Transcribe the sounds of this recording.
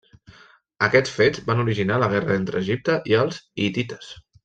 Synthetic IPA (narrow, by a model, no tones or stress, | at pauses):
əkɛt͡sfed͡zbanuɾiʒinaləɣ̞ɛrəent̪ɾəːʒip̚t̪əʔiəlˠzit̪it̪ə̥s